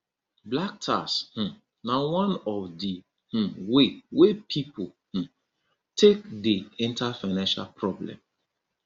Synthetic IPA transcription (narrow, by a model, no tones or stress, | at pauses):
blak̚tʰa̰sh̩ | nawãnɔfdi | h̩wewepʰipʰo | h̩ | tʰek̚diĩntafaɪnãnʃa̰lpʰɹɔblɛ̰̃m